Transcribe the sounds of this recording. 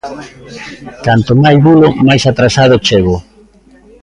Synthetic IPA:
k̪ant̪omajβulʊmajsat̪ɾasað̞ʊt͡ʃeɣʊ

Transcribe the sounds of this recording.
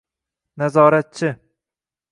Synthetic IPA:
nazɒːɾat̪̚t͡ʃʰɪ

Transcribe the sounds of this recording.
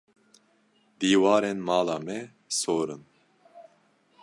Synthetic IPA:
d̪iːwɑːɾenmaːlaːmɛ | soːɾɨn

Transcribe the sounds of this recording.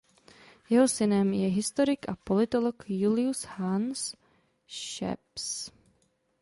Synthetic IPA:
jɛɦosɪnɛmjɛɦɪst̪o̞ɾɪkʔapo̞lɪt̪o̞lokjulɪushans | ʃɛ̰ps

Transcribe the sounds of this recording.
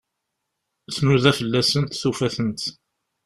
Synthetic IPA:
θmuðæfəlːæsənt̪θufæθənt̪

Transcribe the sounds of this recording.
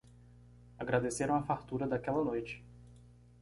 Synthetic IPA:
aɡɾad̪eseɾɐ̃w̃ɐfaɾt̪uɾɐd̪akɛlɐnojt͡ʃɪ̥

